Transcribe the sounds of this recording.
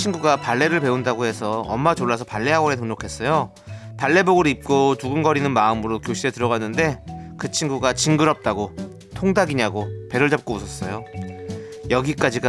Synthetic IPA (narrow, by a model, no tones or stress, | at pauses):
t͡ɕʰinɡuɡapaɭːe̞ɾɯɭpe̞undaɡoɦe̞sʰʌʌ̰mːad͡ʑoɭːas̬ʰʌpaɭːe̞ɦaɡʌɾe̞tɯŋɲokʰe̞s͈ʌjo | paɭːe̞boɡɯɾip̚k͈otuɡɯnɡʌɾinɯnmaɯmɯɾokjoɕʰiɾetɯɾʌɣanːɯnde̞kɯt͡ɕʰinɡuɡat͡ɕiŋɡɯɾʌp̚t͈aɡo | tʰoŋdaɡiɲaɡope̞ɾɯɭd͡ʑap̚k͈ousʰʌs͈ʌjo | jʌɡik͈ad͡ʑiɡa